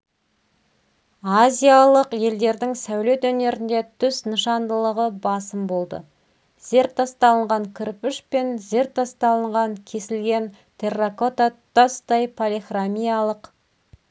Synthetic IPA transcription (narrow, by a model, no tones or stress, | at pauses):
azʲijalˠəqje̞ld̪e̞ɾd̪ɪŋsæwle̞t̪ɵne̞ɾɪnd̪e̞t̪ʰʏsnəʃɑnd̪əlˠəʁəbɑsəmbo̞lˠd̪ə̰ | z̥e̞ɾt̪ːɑst̪ɑlˠəɴʁɑŋkʲʰʏɾpɪʃpe̞nze̞ɾt̪ʰːɑst̪ɑlˠəɴʁɑŋkʲʰe̞sɪlɡʲe̞n | t̪ʰe̞rako̞t̪at̪ost̪ɑjpʰolʲiχramʲijalˠəq